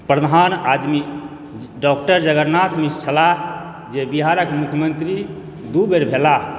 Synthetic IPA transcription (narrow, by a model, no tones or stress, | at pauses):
pɾəd̪ʱanad̪mi | ɖɔk̚ʈəɾd͡ʒəɡəɾnat̪ʰmissʰəla | d͡ʒebiɦaɾəkmukʰjəmənt̪ɾi | d̪ubeɾbʱela